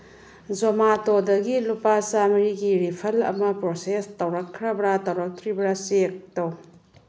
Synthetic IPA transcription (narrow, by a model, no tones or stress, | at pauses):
d͡ʒomatodɐɡilupasamɾiɡiɾipʰɐlɐ̰mɐpɾosestɐwɾɐkʰːɾɐbɾatɐwɾɐk̚tʰɾibɾasek̚tow